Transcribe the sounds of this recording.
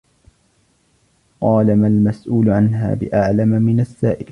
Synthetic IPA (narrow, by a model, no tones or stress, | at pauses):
qɑːlamalmasʔuːlʊʕanɦa̰ːbɪ̰ʔaʕlamamɪnasːaːʔɪl